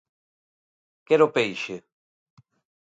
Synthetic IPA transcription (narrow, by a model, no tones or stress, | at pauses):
kɛɾopejʃe